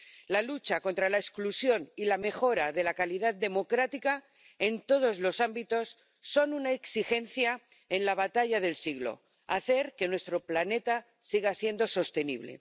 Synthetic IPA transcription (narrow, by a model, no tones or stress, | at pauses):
lalut͡ʃako̞nt̪ɾalaesklusjo̞nilame̞xo̞ɾaðe̞lakalið̞at̪̚d̪e̞mo̞kɾat̪ika | e̞nt̪o̞ð̞o̞zlo̞sambit̪o̞sː | o̞nunaeksixe̞nθja | enlaβ̞at̪aʎaðe̞lsiɣlo̞̰ | a̰θe̞ɾke̞nwe̞st̪ɾo̞plane̞t̪a | siɣasje̞nd̪o̞so̞st̪e̞nḭβ̞le̞̰